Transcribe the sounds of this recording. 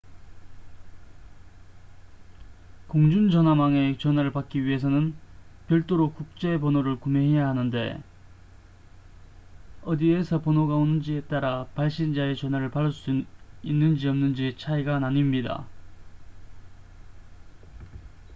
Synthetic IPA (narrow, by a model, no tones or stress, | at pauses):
koŋd͡ʑund͡ʑʌnɦamaŋe̞t͡ɕʌnɦwaɾɯɭpak͈iɥiɦe̞s̬ʰʌnɯnpjʌɭt͈oɾokuk̚t͡ɕ͈e̞ponoɾɯɭkume̞ɦe̞jaɦanɯnde̞̰ | ʌdiesʰʌponoɡaonɯnd͡ʑie̞t͈aɾapaɭɕ͈ind͡ʑae̞t͡ɕʌnɦwaɾɯɭpaɾʌɭs͈uinːɯnd͡ʑiʌmnɯnd͡ʑit͡ɕʰaiɡanaɲimɲida̰